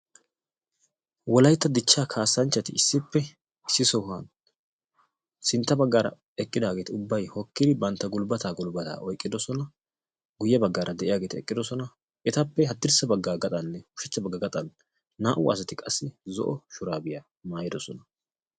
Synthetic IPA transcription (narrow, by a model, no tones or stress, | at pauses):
wɔlɐjt̪ːɐd̪ɪt͡ʃːaːkʰaːsːɐnt͡ʃːɐt̪ɪɪsːɪpːɛ | ɪsːɪsɔhan | sɪnt̪ːɐbɐɡːaːɾɐ̰ | ɛkʼːɪd̪aːɡeːt̪ɪʊbːɐjhɔkːɪd̪ɪbɐnt̪ːɐɡʊlbɐt̪aːɡʊlbɐt̪a̰ːʔɔjkʼːɪd̪ɔsɔnɐ | ɡʊjːɛbɐɡːaːɾʔɐd̪ɛʔɪjaːɡeːt̪ɛkʼːɪd̪ɔsɔnɐ | ɛt̪ɐpːɛɦɐd̪ːɪɾsɐbɐɡːaːɡɐt̪ʼɐnːɛhʊʃɛt͡ʃːɐbɐɡːɐɡɐt̪ʼɐnː | aːʔʊ̰ɐ̰s̬ɐt̪ɪkʼɐsːɪzɔ̰ʔɔʃʊɾaːbɪja | maːjɪd̪ɔsɔnɐ